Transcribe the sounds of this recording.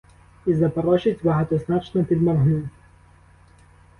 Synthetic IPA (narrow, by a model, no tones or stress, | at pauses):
izɐpɐɾɔʃɪtʲbɐɦat̪ɔznat͡ʃnɔpʲid̪mɐrɦnu